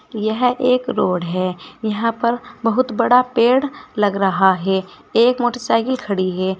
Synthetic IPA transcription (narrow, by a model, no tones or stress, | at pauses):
jɛɦeːkɾoːɽɦɛːjɐɦãpɐɾbɐɦʊt̪bɐɽapeːɽlɐɡɾɐɦaɦɛː | eːkmoːʈəsaːɪkɪlkʰɐɽiɦɛː